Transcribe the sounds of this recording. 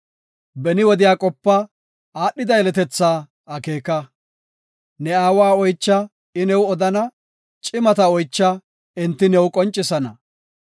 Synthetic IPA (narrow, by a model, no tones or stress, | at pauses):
bɛnɪwɔd̪ɪjaːkʼɔpːɐ | aːɗːɪd̪ɐjɛlɛt̪ɛt͡sːaː | ɐke̞ːkɐ | nɛaːwaːɔjt͡ʃːɐ | ɪnɛwɔd̪ɐnɐ | t͡ʃʼɪmɐt̪ɐɔjt͡ʃːɐ | ɛnt̪ːɪnɛwʊkʼɔnt͡ʃʼːɪsɐnɐ̰